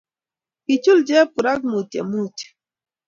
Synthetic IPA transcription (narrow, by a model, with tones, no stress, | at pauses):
i˨t͡ʃu˦ld͡ʒɛ˦pu˨ɾa˦k̚mu˨ta̰˨mu˦˨t